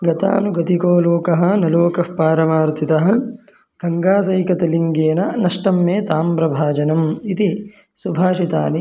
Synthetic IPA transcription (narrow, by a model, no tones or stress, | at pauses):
ɡɐt̪a̰ːnuɡɐt̪ikoːloːkɐɦɐ̆nɐloːkɐfpaːɾɐmaːɾt̪ʰit̪ɐɦɐ̆ | ɡ̥ʱɐŋɡaːs̬ɐjkɐt̪ɐliŋɡeːnɐnɐʂʈɐmːeːt̪aːmpɾɐbʱaːd͡ʒɐnɐmit̪i | subʱaːʃit̪a̰ːni